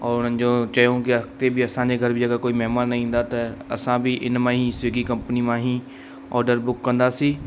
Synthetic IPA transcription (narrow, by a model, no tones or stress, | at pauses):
ɔːɾʊnə̃nd͡ʒõːt͡ʃəjõːkɪət̪eːbiːəsãːd͡ʒeːɡʱəɾbiːəɡəɾkoːiːmɛɦmaːnːəɦĩːʊ̃nd̪aːt̪eə̰sãːbʱiːʔɪ̰nmãːɦĩːseːɡiːkəmpəniːmãːɦĩː | ɔːɖəɾbʊkːə̃nd̪aːsiː